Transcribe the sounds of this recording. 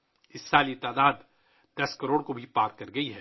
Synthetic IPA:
ɪsːaːlit̪aːd̪aːd̪ | d̪̥ɐskɐɾoːɽkobʱipaːɾkɐɾɡɐiɦɛː

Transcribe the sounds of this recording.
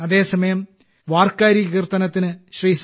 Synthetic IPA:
ɐðe̞ːsɐmɐjɐm | ʋaːrkaːɾikirt̪ɐnɐt̪ːinɨɕriːs

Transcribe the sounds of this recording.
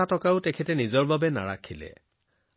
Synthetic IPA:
atɔkaʊtɛkʰɛtɛnizɔɹbabɛna̰ɹa̰kʰilɛ̰

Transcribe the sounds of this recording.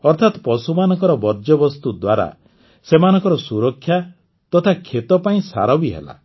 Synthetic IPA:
ɔɾt̪ʰat̪pɔsumanɔŋkɔɾɔbɔɾd͡ʒɔbɔst̪ud̪waɾa̰ | semanɔ̃ŋkɔɾɔsuɾɔkʰːja | t̪ɔt̪ʰakʰːet̪ɔpaĩsa̰ɾɔbiɦḛla̰

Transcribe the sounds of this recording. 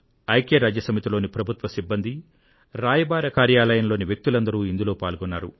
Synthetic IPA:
ɐjkeːɾaːd͡ʒjɐsɐmit̪ilo̞ːnipɾɐbʱut̪ʋɐsibːɐnd̪i | ɾaːjɐbaːɾɐkaːɾjaːlɐjɐnlo̞ːniʋjek̚t̪ulɐnd̪ɐɾuːind̪ulo̞ːpaːlɡɔnːaːɾṵ

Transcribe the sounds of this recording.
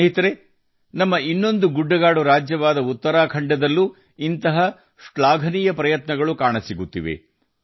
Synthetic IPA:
ɦit̪ɐɾe | nɐmːɐinːo̞nd̪uɡuɖːɐɡaːɽuɾaːd͡ʒjɐʋaːd̪ɐut̪ːɐɾaːkʰɐɳɖɐd̪ɐlːu | int̪ɐɦɐ | ʂɭaːɡʱɐnijɐpɾɐjɐt̪nɐɡɐɭukaːɳɐsiɡut̪ːḭʋḛ

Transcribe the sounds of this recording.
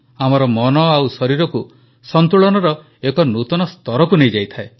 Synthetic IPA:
amɔɾɔmɔnɔawsɔɾiɾɔku | sɔnt̪uɭɔnɔɾɔ | ekɔnut̪ɔnɔst̪ɔɾɔkunejd͡ʒajt̪ʰae

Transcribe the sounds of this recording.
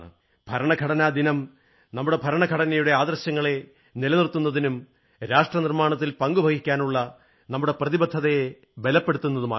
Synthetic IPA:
ɨ̰ | bʱɐɾɐɳɐɡʱɐɽɐnaːd̪inɐm | nɐmːuɽe̞bʱɐɾɐɳɐɡʱɐɽɐnɐjuɽe̞aːd̪rɐɕjɐŋːɐɭe̞ | nilɐnirt̪ːunːɐðinum | ɾaːʂʈrɐnirmaːɳɐt̪̬ːilpɐŋɡubʱɐɡikʲːaːnuɭːɐ | nɐmːuɽe̞prɐðibɐd̪ʱːɐðe | be̞lɐpːe̞ɽut̪ːunːɐðuma̰ː

